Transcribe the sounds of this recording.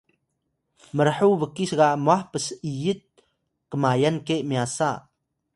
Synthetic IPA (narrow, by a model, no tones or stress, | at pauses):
məɾħuʋəkisɡamahpəsijit̪̚ | kəmaːjankemjaːsa